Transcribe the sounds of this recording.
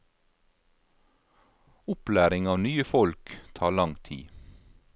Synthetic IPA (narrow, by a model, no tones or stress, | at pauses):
ʊplæːɾɪŋɑːʋnyːəfɔlkt̪ʰɑːɭɑŋt̪ʰḭː